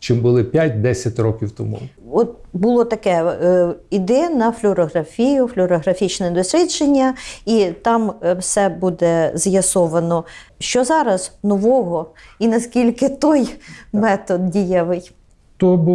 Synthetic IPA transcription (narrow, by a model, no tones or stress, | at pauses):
t͡ʃɪmbʊlˠɪpʲjatʲd̪ɛsʲɐtʲrɔkʲiwt̪ɔmṵɔt̪̚bʊlˠɔt̪ɐkɛ | id̪ɛɐnɐflʲʊɾɔɦɾɐfʲijʊflʲʊɾɔɦɾɐfʲit͡ʃnɛd̪ɔsʲɾʲit͡ʃenʲːɐit̪ɑmwsɛbud̪ɛzjɐsɔʋɐnɔ | ʃt͡ʃɔzɑɾɐznɔʋɔɦɔinɐskʲilʲkɪt̪ɔjmɛt̪ɔd̪̚dʲijɛʋɪj | t̪ɔb